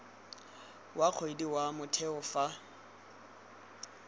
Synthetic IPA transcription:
wʔaq͡χʰoidiwamʊtʰɛʊfa

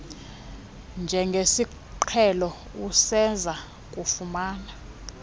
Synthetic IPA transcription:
nd͡ʒʱɛŋɡʱesi | ǃʰɛlɔ | usɛnd͡zʱa | kʼufumaːna

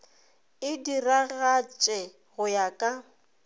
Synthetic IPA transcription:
ɪdiraɣat͡ʃʼɛ | ɣʊjakʼa

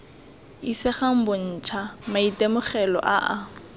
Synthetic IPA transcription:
isɪχam̩bʊn̩ːt͡ʃʰamaitʼemʊχɛlɔ̰ʔaʔa

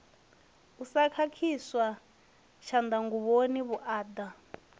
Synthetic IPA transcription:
usakʰakʰiswa | ʃand̪aŋɡuβoniβuʔaːd̪a

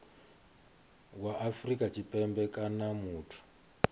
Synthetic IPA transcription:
waʔafrikʼat͡ʃipɛmbɛkʼanamuːtʰu̥

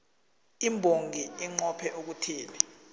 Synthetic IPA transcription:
imbʱoŋɡʱiiŋ͡ǃɔpʰɛʔuk̬utʰiːmɛ

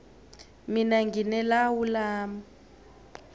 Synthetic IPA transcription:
minaŋɡʱinɛlawulaːma

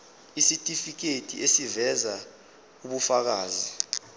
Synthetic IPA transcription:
isitʼifik̬etʼḭʔesivɛza | uɓufak̬aːzi

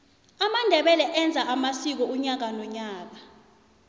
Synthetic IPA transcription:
amandʱɛɓɛlɛʔɛnd͡zʱaʔamasik̬ɔuɲak̬anɔɲaːk̬a

